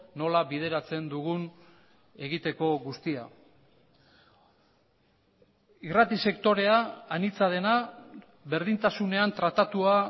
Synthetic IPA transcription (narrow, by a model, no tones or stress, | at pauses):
no̞laβið̞e̞ɾat͡se̞nd̪uɣun | e̞ɣit̪e̞ko̞ɣust̪ia̰ | irat̪ise̞kt̪o̞ɾe̞aːnit͡sað̞e̞na | βe̞ɾðint̪asune̞ant̪ɾat̪at̪ua